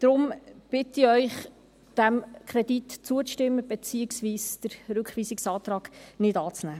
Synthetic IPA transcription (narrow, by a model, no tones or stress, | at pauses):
d̥̪ɾʊmb̥ɪt̪ɪœʏχ | d̪̥æmkʰɾɛd̪itt͡suət͡sʃtɪmːəb̥et͡siːɪksʋiːsd̥əɾɾɵkχʋiːsɪksɑːt̪rɑːɡ̥nɪdɑːt͡snæː